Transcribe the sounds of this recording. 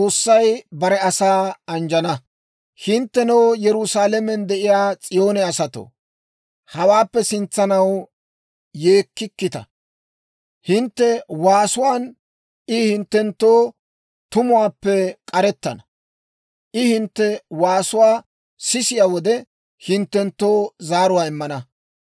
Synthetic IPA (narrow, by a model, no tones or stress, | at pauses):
t͡sʼoːsːɐjbɐɾɛɐsaːɐnd͡ʒɐnɐ | hɪnt̪ːɛnɐwjɛɾʊsaːlɛmɛnd̪ɛʔɪjaːt͡sʼɪjo̞ːnɛɐsɐt̪o̰ː | hɐwaːpːɛsɪnt͡sːɐnɐw | jeːkːɪkːɪt̪ɐ̰ | hɪnt̪ːɛwaːsʊwaːn | ʔɪhɪnt̪ːɛnt̪ːoː | t̪ʊmʊwaːpːɛkʼɐɾɛt̪ːɐnɐ | ʔɪhɪnt̪ːɛwaːsʊwaː | sɪsɪjawɔd̪ɛ | hɪnt̪ːɛnt̪ːo̞ːzaːɾʊwaːɪmːɐnɐ